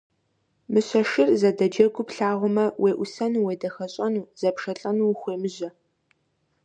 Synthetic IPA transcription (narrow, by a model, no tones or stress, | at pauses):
mɨɕɐʃɪrzɐdɐd͡ʒɐɡʷʊpɬaːʁʷʊmɐwʔeːʔʷʊsɐnuweːdɐxɐɕʼɐnuːz̥ɐpʂɐɬʼɐnuːxʷeːmɨʑɐ